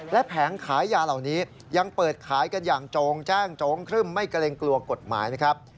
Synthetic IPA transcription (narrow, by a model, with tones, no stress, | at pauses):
lɛ˦˥ʔpʰɛː˩˦ŋkʰaː˩˦jːaː˧la˨˩wniː˦˥ | ja˧ŋpɤː˨˩t̪̚kʰaː˩˦jka˧njaː˨˩ŋt͡ɕoː˧ŋt͡ɕaː˥˩ŋt͡ɕoː˧ŋkʰɾɯː˥˩mːa˥˩jka˧le˧ŋklu˧ɐko˨˩t̪̚ma̰ː˩˦jna˦˥kʰa˦˥p̚